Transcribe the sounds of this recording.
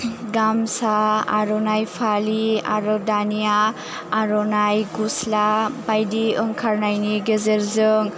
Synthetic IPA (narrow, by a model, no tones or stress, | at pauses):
ɡamsaa̰ɾɔnajpʰalia̰ɾɔdanijaː | ɾɔnajɡuslabajdiɯŋkʰaɾnajniɡezeɾzɯŋ